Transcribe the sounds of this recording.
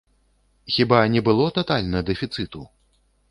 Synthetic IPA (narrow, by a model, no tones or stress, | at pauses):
xʲibanʲɛbɨlˠɔt̪at̪alʲnɐd̪ɛfʲit̪sɨt̪u